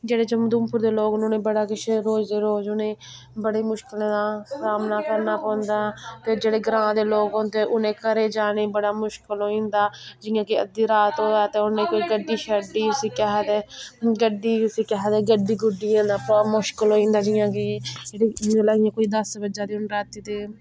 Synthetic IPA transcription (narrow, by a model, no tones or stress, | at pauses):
d͡ʒeːɽeːd͡ʒəmd̪ʊːmpʊɾd̪eːloːɡʊnːnẽːbəɽaːkɪʃʰɾoːd͡ʒd̪eːɾoːd͡ʒʊnẽː | bəɽeːmʊʃkɪlãd̪aːsaːmnaːkəɾnaːpɔ̃ːnd̪aːɛ̃ːt̪eːd͡ʒeːɽeːɡɾãːd̪eːloːɡõt̪eːʔʊnẽːkəɾeːd͡ʒaːneːbəɽaːmʊʃkəlɦoːĩːnd̪aːd͡ʒɪːãːkɪə̰d̪iːɾaːt̪õːd̪aːt̪eːʊẽːkoːiːɡəɖːiːʃəɖiːʊsiːkɛɦɛːt̪eːɡəɖiːʊsiːkɛɦɛːd̪eːɡəɖiːɡʊɖːiãːd̪aːpːmʊʃkəlɦoːĩːnd̪aːd͡ʒɪjãːkɪd͡ʒeːɽiːlaɡiãːkoːiːd̪əsʋəd͡ʒaːd̪iːʊnɾaːt̪iːt̪eː